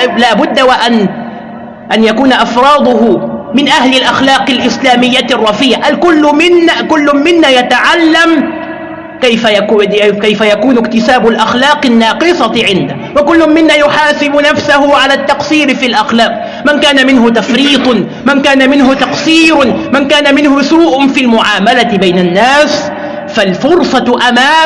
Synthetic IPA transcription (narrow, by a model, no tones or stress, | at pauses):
laːbʊd̪ːawaʔan | ʔanjakuːnaʔɑfɾˤɑːd̪ˤʊɦʊmɪnʔahlɪlʔaxlɑːqɪlʔɪslaːmɪjːarˤːɑfiːʕaʔalkʊlːmɪnːkʊlːʊmɪnːaːjat̪aʕalːam | kajfajakːkajfajakuːnʊkt̪ɪsaːbʊlʔaxlɑːqɪnːɑːqɨsɑʕɪnd̪a | wakʊlːʊmɪnːaːjʊħaːsɪbʊnafsahʊʕalaːt̪ːɑqsiːɾfilʔaxlɑːq̚ | mankaːnamɪnɦʊt̪afɾiːt̪ˤ | mankaːnamɪnɦʊt̪ɑqsiːɾmankaːnamɪnhʊsuːʔfilmʊʕaːmalat̪bajnanːaːs | falfʊɾsˤɑʔamaː